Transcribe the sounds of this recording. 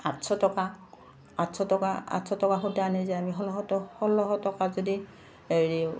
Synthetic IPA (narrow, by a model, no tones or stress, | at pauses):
atsɔtɔka | atsɔtɔkaa̰tsɔtɔkaxutaanɛzɛamiɦɔlɔɦɔtɔhɔlɔɦɔtɔkazodi | eɹi